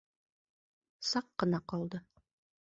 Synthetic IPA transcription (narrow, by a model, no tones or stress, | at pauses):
sɑqːɤ̆nɑqɒlˠd̪ɤ